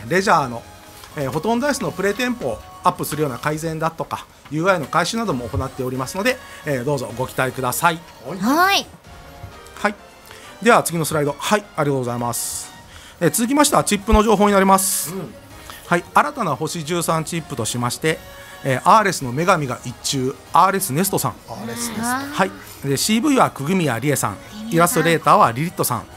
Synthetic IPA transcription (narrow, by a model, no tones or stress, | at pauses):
ɾe̞ʑaːno̞ | eːho̞t̪õnd̪aisɨno̞pɯ̟ɾe̞t̪ẽ̞mpo̞ː | apːɯ̟sɨɾɯjo̞ːnakaizẽ̞nd̪at̪o̞ka | jɯ̟ːaino̞kaiɕɨnad̪o̞mo̞ːko̞nat̪ːe̞o̞ɾʲimasɨno̞d̪e̞ːd̪o̞ːzo̞ɡo̞kʲt̪aekɯ̟d̪asai | hai | d̪e̞βat͡sɨɡʲino̞sɨɾaid̪o̞haiaɾʲiɡat̪oɡo̞zaimasɨ̥ | et͡sɨzɨkʲimaɕi̥t̪aβat͡ɕipːɯ̟no̞ʑo̞ːɦo̞ːɲ̟inaɾʲimasɨ̥ | haiaɾat̪anaho̞ɕiʑɨːsãɲ̟t͡ɕipːɯ̟t̪o̞ɕimaɕi̥t̪e̞ː | ʔaːɾe̞sɨno̞me̞ɡamʲiɡa̰ʔit͡ɕːɨː | aːɾe̞sɨne̞sɨ̥t̪o̞sã̰ŋ | hai | d̪e̞ɕiːbɯ̟iβakɯ̟ɡɯ̟mʲia̰ɾʲiesã̰ŋiɾast̪o̞ɾe̞ːt̪aːβaɾʲiɾʲit̪ːosã̰ŋ